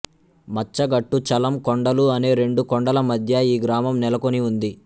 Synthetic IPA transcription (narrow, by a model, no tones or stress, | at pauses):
mɐt͡ʃːɐɡɐʈːut͡ʃɐlɐmkoɳɖɐluɐne̞ːɾe̞ɳɖukɔɳɖɐlɐmɐd̪ʱjɐiːɡɾaːmɐmnɛlɐko̞niund̪i